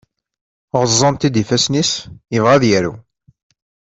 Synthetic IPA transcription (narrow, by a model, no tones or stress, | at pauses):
ʁəzˤːɑnt̪id̪ifæsnisjəvʁæðjæɾṵ